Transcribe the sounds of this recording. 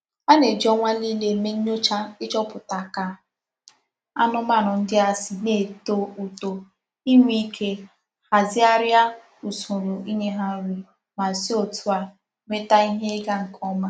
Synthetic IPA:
a˦ne˨d͡ʒɔ˦ŋʷa˦li˦le˨me˦ɲ˦ɲo˦t͡ʃa˦ɪ˦t͡ʃɔ˦pʊ˨ta˨ka˨ | a˦nʊ˦ma˦˨ɾʊ˨n̩˦dɪ˦a˨sɪ˨ne˨to˦˨u˨to˨ | i˦ŋʷi˦kʰe˦ | ha˨zɪ˦a˦ɾja˦ | u˨su˨ɾo˨i˦ɲe˦ɦa˦ɾu˨ | ma˨si˦o˨tu˦a˨ | me˦ta˦i˦ɦe˦ɡa˦ŋ̩˨kɔ˦ma˦

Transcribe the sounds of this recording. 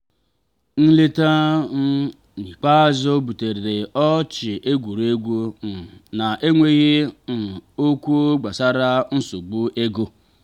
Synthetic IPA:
n̩˦le˦ta˦n̩˦ | ni˨k͡pa˦zo˦bu˨te˨ɾe˨ɾe˨ɔ˦t͡ʃɪ˨ʔe˦ɡʷu˨ɾe˦ɡʷo˦n̩˨na˨ʔe˦ŋʷe˦ɣɪ˦n̩˨o˦kʷu˦o˦ɡ͡ba˨sa˦ɾa˦n̩˦su˨ɡ͡bu˦ʔe˦ɡo˦

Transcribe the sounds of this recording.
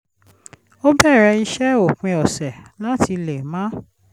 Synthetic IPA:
o˦bɛ˦˨ɾɛ˧i˧ʃɛ˦o˨k͡pĩ˧ɔ˨sɛ˨la˦ti˧le˨mã˨˦

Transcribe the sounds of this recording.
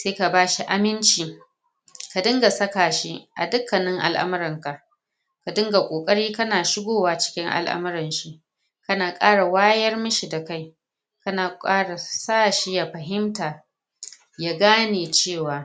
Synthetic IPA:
seː˦ka˨baː˦ʃi˦ʔa˨mɪ˦nt͡ʃiː˨ | ka˨dɪ˦ŋɡa˨sɐ˦kaː˨ʃi˦ʔa̰˨dʊ˦kːɐ˨nɪ˦ŋʔa̰˨lʔa̰˦m˦ɾɪ˨ŋka˨ʔ | ka˨dɪ˦ŋɡa˨kʷʼoː˨kʼɐ˦ɽiː˦kɐ˦naː˨ʃɪ˦ɡʷoː˦waː˦t͡ʃɪ̥˦kʲɪ˦ŋʔa̰˨lʔa̰˦m˦ɾɪ˨nʃi˦ʔ | kɐ˦naː˨kʼaː˦ɽa˨waː˦jɐ˦rmʊ˦ʃi˨da˨ka˦j | kɐ˦naː˨kʼaː˦ɽa˨saː˦˨ʃi˦ja˨ɸɐ˨ɦɪ˦mtaː˨ | ja˨ɡaː˦neː˨t͡ʃeː˦˨waː˨

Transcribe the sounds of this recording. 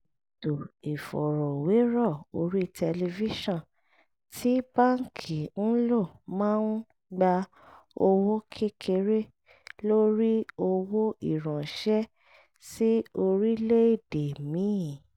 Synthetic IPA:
to˨e˨fɔ˨ɾɔ˨we˨˦ɾɔ˦˨o˧ɾi˦tʰɛ˧le˧vi˦ʃɔ̃˦˨ | tʰi˦ba˦˨ŋ̩˨kʰi˨n̩˦lo˦˨mãː˦n̩˦ | ɡ͡ba˧ | o˧wo˦kʰe˦kʰe˧ɾe˦ | lo˦ɾi˦o˧wo˦i˦˨ɾ̃ã˨ʃɛ˦ | si˦o˧ɾi˦le˦i˦˨de˨mĩ˨˦˨

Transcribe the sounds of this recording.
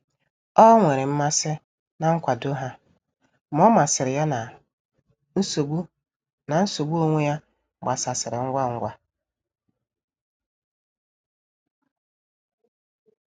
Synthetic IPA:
ɔ˦ŋʷe˨ɾɪ˨m̩˦ma˦sɪ˦ | na˨ŋ̩˦kʷa˨do˦ɦa˦ | m̩˦ɔ˦ma˨sɪ˨ɾɪ˨ja˦na˨ | n̩˦so˨ɡ͡bu˦ | na˨n̩˦so˨ɡ͡bu˦o˦ŋʷe˦ja˦˨ | ɡ͡ba˨sa˨sɪ˨ɾɪ˨ŋ̩˦ɡʷa˦ŋ̩˦ɡʷa˦

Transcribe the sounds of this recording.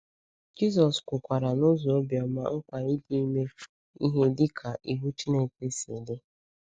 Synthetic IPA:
d͡ʒi˦zɔ˨skʷʊ˨kʷa˨ɾa˨nʊ˦zɔ˨o˦bja˨ma̰˦ŋ̩˦kʷa˨i˦di˦me˦ | i˦ɦe˦dɪ˦kʰa˨ʔi˨ɦu˦t͡ʃi˦ne˨pe˦se˨de˦

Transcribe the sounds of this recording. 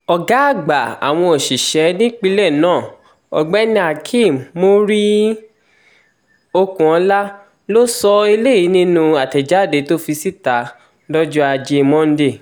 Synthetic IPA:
ɔ˨ɡa˨˦a˦˨ɡ͡ba˨a̰˨w̃ɔ̃˧o˨ʃi˨ʃɛ˨˦nĩ˦k͡pi˦˧lɛ˦˨nãː˦˨ | ɔ̰˨ɡ͡bɛ˦nĩ˧˦a˨kʰĩ˦˨mmo˦ɾi˦ | o˧kũ˨ɔ̃˨˧˦la˦ | lo˦sɔ˧i˧le˦˨i˨˦nĩ˦nũ˧a˨tɛ˨d͡ʒa˨˦˨de˨˦to˦fi˧si˦˨ta˨˦ | lɔ˦d͡ʒu˦a˧d͡ʒe˧mɔ̃˦n̩˦de˦˨

